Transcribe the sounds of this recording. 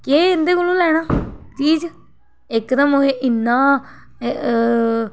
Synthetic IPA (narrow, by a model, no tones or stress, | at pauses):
keːɪnd̪eːkʊlũːlɛːɽ̃aːt͡ʃiːd͡ʒ | ɪkd̪əmoɦeʔɪnːaː